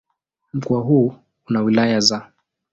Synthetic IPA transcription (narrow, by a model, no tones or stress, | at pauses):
m̩kuaɦuː | unawilajaza